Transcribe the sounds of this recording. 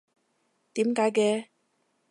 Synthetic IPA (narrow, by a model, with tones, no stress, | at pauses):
t̪iː˨˥mkaː˨˥jkɛː˧